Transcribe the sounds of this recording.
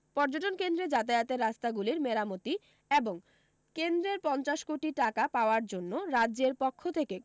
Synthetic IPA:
pɔɾd͡ʑoʈonkend̪ɾed͡ʑat̪̬ajat̪eɾːast̪aɡuliɾmeɾamot̪i | eboŋ | kend̪ɾeɾpɔnt͡ɕaʃkoʈiʈakapaoaɾd͡ʑonːoɾadːʑeɾpokʰːot̪ʰeke

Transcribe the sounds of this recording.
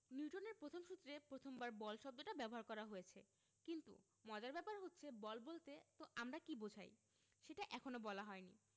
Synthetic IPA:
niuʈoneɾpɾot̪ʰomʃut̪ːɾepɾot̪ʰombaɾbɔlʃɔb̚d̪oʈabɛboɦaɾkɔɾaɦojet͡ɕʰe | kint̪ṵ | mɔd͡ʑaɾbɛpaɾɦotːɕʰebɔlbolt̪et̪oʔamɾakibod͡ʑʱa̰j | ʃeʈaʔɛkʰonobɔlaɦɔenḭ

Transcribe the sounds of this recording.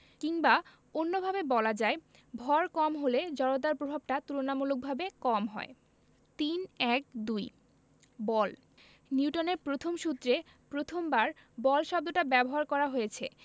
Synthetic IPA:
kiŋba | onːobʱabebɔlad͡ʑae | bʱɔɾkɔmɦoled͡ʑɔɽod̪aɾpɾobʱab̚ʈat̪uɾonamuluk̚bʱabekɔmɦɔ̰e | t̪inɛk̚d̪uj | bɔl | niuʈoneɾpɾot̪ʰomʃut̪ːɾe | pɾot̪ʰombaɾ | bɔlʃɔb̚d̪oʈabɛboɦaɾkɔɾaɦojet͡ɕʰḛ

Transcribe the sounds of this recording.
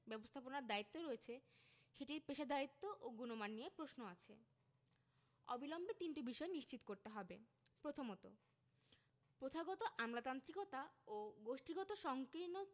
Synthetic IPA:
bɛbost̪ʰaponaɾd̪ait̪ːoɾoet͡ɕʰeʃeʈiɾpeʃad̪ait̪ːoʔoɡunomanːijepɾosnoat͡ɕʰe | ɔ̰bilɔmbet̪inʈibiʃɔeniʃt͡ɕit̪okoɾt̪eɦɔbepɾot̪ʰomɔt̪o̰ | pɾot̪ʰaɡɔt̪oʔamlat̪ant̪ɾikɔt̪aoɡoʃʈiɡɔt̪oʃɔŋkɾino

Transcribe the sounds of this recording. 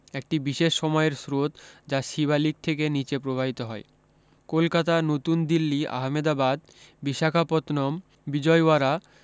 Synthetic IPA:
ek̚ʈibiʃeʃːɔmɔeɾsɾot̪d͡ʑaʃiβalik̚t̪ʰekenit͡ɕepɾobʱabit̪oɦɔ̰e | kolkat̪anot̪und̪ilːia̰ɦmed̪abad̪̚ | biʃakʰapot̪nɔm | bid͡ʑɔeaɾa

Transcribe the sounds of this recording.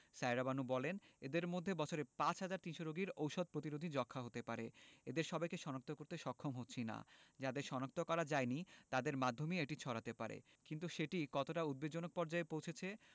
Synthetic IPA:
sajɾabanubɔlened̪eɾmod̪ʱːebɔt͡ɕʰoɾepat͡ɕɦad͡ʑaɾt̪inʃoɾoɡiɾowʃod̪̚pɾot̪iɾod̪ʱid͡ʑɔkʰːaɦot̪epaɾeed̪eɾʃɔbajkeʃɔnak̚t̪okoɾt̪eʃɔkʰːomɦotːɕʰina̰d͡ʑad̪eɾʃɔnak̚t̪okɔɾad͡ʑaenit̪ad̪eɾmad̪ʱːomieʈit͡ɕʰɔɾat̪epaɾḛ | kint̪uʃeʈikɔt̪oʈaud̪̚bed͡ʑonok̚pɔɾd͡ʑaepowt͡ɕʰet͡ɕʰe

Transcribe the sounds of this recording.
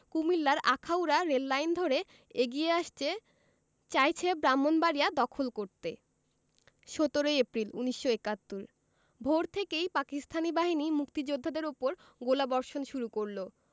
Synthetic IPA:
kumilːaɾʔakʰawɾaɾelːajnd̪ʱoɾe | eɡieaʃt͡ɕʰe | t͡ɕajt͡ɕʰebɾamːonbaɾijad̪ɔkʰolkoɾt̪e | ʃot̪oɾojepɾilṵniʃːoekat̪ːuɾ | bʱoɾt̪ʰekejpakist̪ʰanibaɦinimukt̪id͡ʑod̪ʱːad̪eɾupoɾ | ɡolabɔɾʃonʃuɾukoɾlo

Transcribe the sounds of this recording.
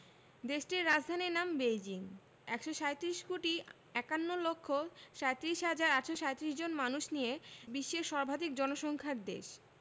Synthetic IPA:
d̪eʃʈiɾɾad͡ʑd̪ʱaniɾnambejd͡ʑiŋ | ɛkʃoʃaet̪iɾiʃkoʈi | ɛkanːolokʰːoʃaet̪iɾiʃɦad͡ʑaɾaʈʃoʃaet̪iɾiʃd͡ʑonmanuʃnijebiʃːeɾʃɔɾbʱad̪ik̚d͡ʑɔnoʃɔŋkʰaɾd̪ḛʃ

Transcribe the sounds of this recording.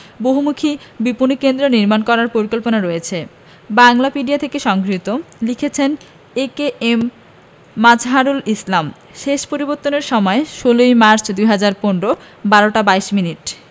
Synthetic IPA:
boɦumukʰibipunikend̪ɾoniɾmankɔɾaɾpoɾikolponaɾɔjet͡ɕʰe | baŋlapiɖiat̪ʰekeʃɔŋɡɾit̪olikʰet͡ɕʰen | ekeʔemː | ad͡ʑʱɦaɾulislam | ʃeʃpoɾiboɾt̪ːoneɾʃɔmɔeʃolojmaɾt͡ɕd̪ujɦad͡ʑaɾponɾo | baɾoʈabajʃminiʈ

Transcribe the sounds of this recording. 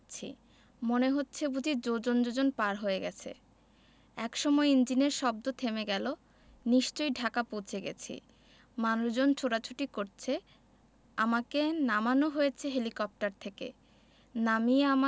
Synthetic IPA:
t͡ɕʰḭ | moneɦotːɕʰebud͡ʑʱid͡ʑod͡ʑond͡ʑod͡ʑonpaɾɦoeɡɛt͡ɕʰḛ | ɛkʃɔmɔeind͡ʑineɾʃɔb̚d̪ot̪ʰemeɡɛlo | niʃt͡ɕojɖʱakapowt͡ɕʰeɡɛ̰t͡ɕʰḭ | manɾod͡ʑont͡ɕʰoɾat͡ɕʰuʈikoɾt͡ɕʰe | amakenamanoɦojet͡ɕʰeɦelikɔp̚ʈaɾt̪ʰekḛ | namieama

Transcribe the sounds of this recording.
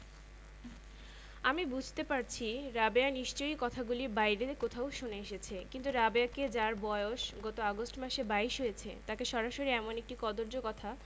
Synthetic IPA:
amibud͡ʑʱt̪epaɾt͡ɕʰiɾabeaniʃt͡ɕojkɔt̪ʰaɡuliɾbajɾekot̪ʰaoʃuneeʃet͡ɕʰekint̪uɾabeaked͡ʑaɾbɔeoʃɡɔt̪oaɡosʈmaʃebaiʃɦojet͡ɕʰḛt̪akeʃɔɾaʃoɾiɛmonek̚ʈikɔd̪oɾd͡ʑokɔt̪ʰa

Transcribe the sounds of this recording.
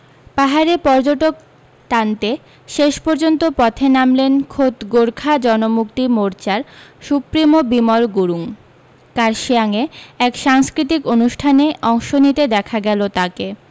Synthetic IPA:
paɦaɾepɔɾd͡ʑoʈok | t̪ant̪e | ʃeʃpɔɾd͡ʑont̪opɔt̪ʰenamlenkʰot̪ɡoɾkʰad͡ʑɔnomukt̪imoɾt͡ɕaɾʃupɾimobimoɾɡuɾuŋ | kaɾʃeaŋeɛkʃaŋskɾit̪̬ikonuʃʈʰaneʔɔŋʃonit̪ed̪ɛkʰaɡɛlot̪ake

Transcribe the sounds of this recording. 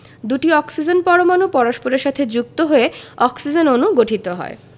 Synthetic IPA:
d̪uʈiɔksid͡ʑenpɔɾomanupɔɾoʃpoɾeɾʃat̪ʰed͡ʑuk̚t̪oɦoeɔksid͡ʑenonuɡoʈʰit̪oɦɔ̰e

